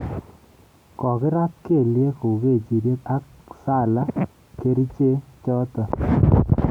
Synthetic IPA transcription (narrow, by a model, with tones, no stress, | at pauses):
kɔ˨kɪ˦ɾa˦t̚ke˦˨lje˦ku˨ke˦˨t͡ʃi˨ɾje˦ta˦k | sa˦˨la˦ | ke˦ɾi˦t͡ʃe˦t͡ʃɔ˦tɔ˨